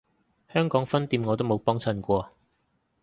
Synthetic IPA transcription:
hœː˥ŋkɔː˨˥ŋfɐ˥nt̪iː˧mŋɔ˨˧t̪̬o˥wm˨˧wpɔː˥ŋt͡sʰɐ˧nkʷɔː˧

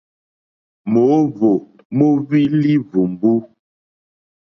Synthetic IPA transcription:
mo˨˦vo˨ | mo˦βi˦li˦vu˨m˨bu˦

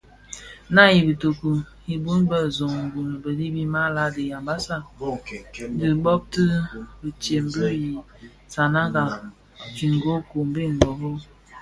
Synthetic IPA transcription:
na˦ji˨bə˨to˨ku˨ | i˨bu˦nbə˦˨zo˨ŋ˨ŋ˨ɡu˨nə˨bə˨di˦bi˦ma˦la˦di˨ja˨mba˦sa˦˨˦di˨ɡ͡bɔ˦b̚tə˦bə˨t͡ʃe˨m˦bə˦ji˨ | sa˨na˦ɡa˨ | ki˨ŋ˨ɡo˦ko˨m˦be˦˨ŋ̩˨ɡ͡bɔ˨bo˦

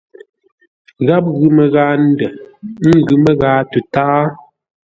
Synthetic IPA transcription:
ɣa˦p̚ɣʉ˨mɛ˨ɣaː˨˦n̩˦dɛ˨ŋ̩˦˨ɡʉ˨mə˦ɣaː˨˦tu˨taː˦

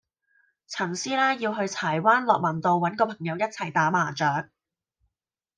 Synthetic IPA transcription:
t͡sʰɐ˨˩ŋsiː˥lɛː˥jiː˧wɦɵ˧ɥt͡sʰaː˨˩jwaː˥nlɔː˨k̚mɐ˨˩nt̪o˨˧wːɐ˨˥nkɔː˧pʰɐ˨˩ŋjɐ˨˧wjɐ˥t̚t͡sʰɐ˨˩jt̪aː˨˥maː˨˩t͡ʃœː˨˥k̚

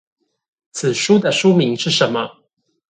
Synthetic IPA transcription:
t͡sʰɹ̩˨˩ʂu˥d̪ə˨ʂu˥mi˧˥˦ŋʂɻ̩˥˩ʂə˨˧˥nmə˦

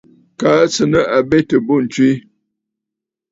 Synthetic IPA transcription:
ka˨˦t͡sə˨nə˦ʔa˨be˦tə˨bo˦˨n̩˨t͡ʃwi˦

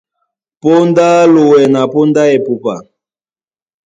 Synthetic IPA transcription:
po˦nda˦lo˨wɛ˨na˨po˦nda˦ɛ˨pu˨pa̰˨

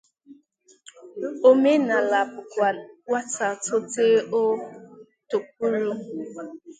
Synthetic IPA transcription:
o˦me˦na˨la˨pʊ˨kʷa˨wʷa˦ta˨tʊ˦te˦o˦ | to˨k̚ʷu˦ɾu˦

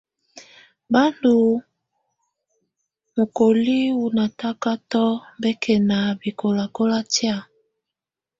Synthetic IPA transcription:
ba˦ndu˨ | mo˨ko˨li˦wu˨na˨ta˦ka˦tɔ˦bɛ˦kʰɛ˨na˨bi˨ko˨la˨ko˦la˦ti˦a˦˨

